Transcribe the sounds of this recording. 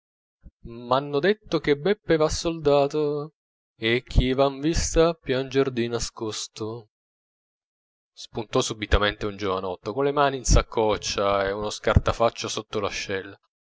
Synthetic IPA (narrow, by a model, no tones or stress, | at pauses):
manːod̪et̪ːok̟ebːɛpːevasːold̪aːt̪o | ek̟ʰːivaɱvist̪apjand͡ʒerd̪inaskost̪o | spunt̪ɔsubit̪ament̪eund͡ʒovanɔt̪ːokolemaːniːnsakʰːɔt͡ʃːaeunoskart̪afat͡ʃːosot̪ːolaʃːɛlːa